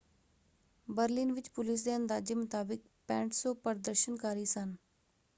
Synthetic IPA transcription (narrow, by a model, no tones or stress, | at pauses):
bəɾlɪnʋɪt͡ʃpʊlɪs̬d̪eːə̃nd̪aːd͡ʒeːmʊt̪aːbɪk̚ | pɛ̃ːɳʈsõːpəɾd̪əɾʃənkaːɾiːsən